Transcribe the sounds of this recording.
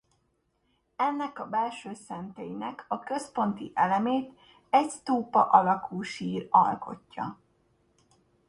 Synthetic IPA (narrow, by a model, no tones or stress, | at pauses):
ɛnːɛkɒbɛlʃøːsɛnt̪ejinɛkʰɒkø̞spo̞nt̪iʔɛlɛmeːt̪ | ɛɟst̪oːpɒ̰ʔɒlɒkulʃiːrɒ̰lko̞̰cːɒ̰